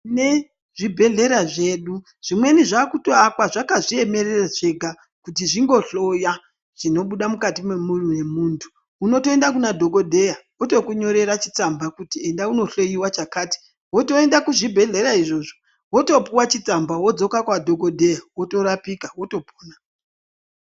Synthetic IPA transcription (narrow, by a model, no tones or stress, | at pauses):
ne̞ | ʐibʱe̞ɮe̞ɾaʐe̞ːɗu | ʐ̥imwe̞niʐakutoakwaʐakaʐie̞me̞reraʐe̞ɡʱa | kutiʐiŋɡo̞ɬo̞ja | ʐ̥ino̞ɓuɗamukatimwemuruje̞muːntʰu̥ː | no̞to̞e̞ndakunadʱo̞ɡo̞dʱe̞jawoto̞kuɲo̞ɾe̞ɾat͡ʃi̥t͡sambakutie̞ndauno̞ɬo̞jiwat͡ʃakaːti̥ | wo̞to̞e̞ndakuʐibʱe̞ɮe̞ɾaiʐo̞ʐo | wo̞to̞puwat͡ʃit͡sambawo̞d͡zo̞kakwadʱo̞ɡo̞dʱejawoto̞ɾapikawo̞to̞po̥ːna